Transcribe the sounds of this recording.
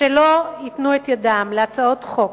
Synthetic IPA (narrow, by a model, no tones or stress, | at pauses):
elo̞it̪nuet̪jadamleat͡sao̞t̪χo̞k